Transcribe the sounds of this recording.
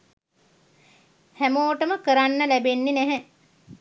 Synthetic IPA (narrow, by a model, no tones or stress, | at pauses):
hæmoːʈəməkəɾanːəlæbenːenæɦɛ